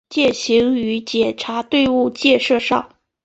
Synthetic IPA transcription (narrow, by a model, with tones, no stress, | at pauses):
t͡ɕjɛ˥˩ɕi˧˥ŋy˧˥t͡ɕjɛ˨˩ʈ͡ʂʰa˧˥t̪we˥˧ɪu˥˧t͡ɕjɛ˥˧ʂɤ˥˧ʂɑ˥˩ʊ